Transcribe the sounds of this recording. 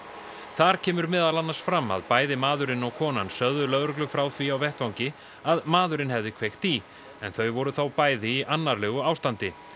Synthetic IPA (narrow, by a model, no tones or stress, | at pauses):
θaɾ̥cʰɛːmʏɾmɛːðalanːaɾ̥sfɾamːa̰ðpaːjðɪmaːðʏɾɪnɔwkʰɔːna̰nsœððʏlœðɾʏklʏfɾaːwθviawvɛht̪vawɲcɪ | aðmaːðʏɾɪnhɛvðɪkʰv̥ejxt̪i | ɛnθœɥvɔɾʏθawpaːjðɪiʔanːaɾlɛːɣʏawst̪ant̪ɪ